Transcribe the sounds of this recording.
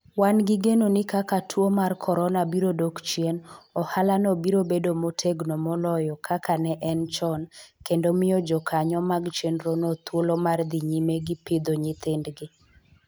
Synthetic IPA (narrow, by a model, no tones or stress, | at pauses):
wanɡɪɡenonɪkakatʰwomarkʰɔɾɔnabiɾodokt͡ʃjenɔhalanobiɾobedomotʰeɡnomɔlɔjɔkʰakanɛʔɛnt͡ʃɔnkendomɪjɔd͡ʒɔkʰaɲɔmaɡt͡ʃenɾonot̪wolomard̪iɲimeɡɪpɪd̪oɲɪt̪ɪndɡɪ